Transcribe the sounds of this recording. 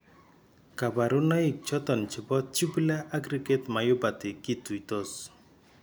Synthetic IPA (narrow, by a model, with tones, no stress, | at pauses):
ka˨ba˨ɾʊ˦na˦i˨k̚t͡ʃɔ˦t̪ɔ˨nt͡ʃi˨bɔ˦t̚t͡ʃu˦bla˦ʔa˦ɡɾike˦t̪ma˨jʊ˦ba˨t̪ɪ˨ki˦t̪u˨i˨t̪o˦s